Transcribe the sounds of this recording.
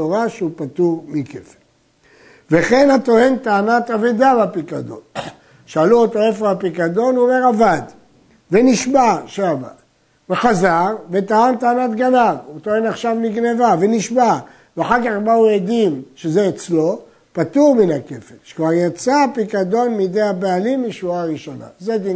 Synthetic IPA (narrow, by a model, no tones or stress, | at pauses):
oʁaʃeupat̪uʁmikefe̥n | veχe̞nhat̪o̞he̞nt̪aːnat̪avid̪abapikad̪o̞̰n | ʃaːluot̪o̞efeʁbapikad̪o̞nome̞ʁavad̪ | veniʃmaʃava̰ | veχazaʁvet̪aant̪aːnat̪ɡanavut̪o̞he̞naχʃavniɡne̞vave̞niʃma | veaħaʁkaχbaujed̪imʃezeet͡slo̞ | pat̪uʁminake̞fetʃe̥kvaʁjat͡sapikad̪o̞nmid̪ejabealimːiʃvuaːʁiʃo̞na̰zed̪i